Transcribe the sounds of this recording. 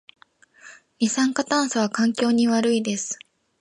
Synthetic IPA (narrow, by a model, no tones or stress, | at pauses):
mʲisãŋkat̪ãɰ̃sɨβakãŋkʲo̞ːɲ̟iβaɾɯ̟id̪e̞sɨ̥